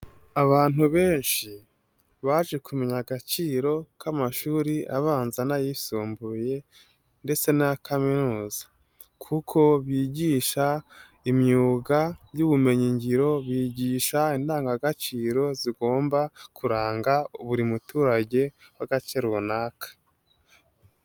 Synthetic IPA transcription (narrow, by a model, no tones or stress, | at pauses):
aβaːn̥uβe̞ːnʃi | βaːʒe̞kume̞ɲaɡat͡ʃiːɾo̞kʰamaʃuːɾiʔaβaːnzanajisuːmbuje̞ | nde̞t͡se̞naakʰaminuːza | kʰukʰo̞βjiːɟiːʃa | imɲuːɡajuβume̞ɲiɲɟiɾo̞βiːɟiːʃaindaːŋɡaɡat͡ʃiːɾo̞ziɡo̞ːmbakʰuɾaːŋɡauβuɾimutuːɾaɟe̞waɡat͡ʃeɾunaːkʰḁ